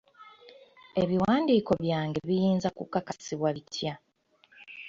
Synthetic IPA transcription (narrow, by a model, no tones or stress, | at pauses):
e̞βiwaːndiːko̞βjaːŋɡe̞βijiːnzakukːakasiβwaβitʰja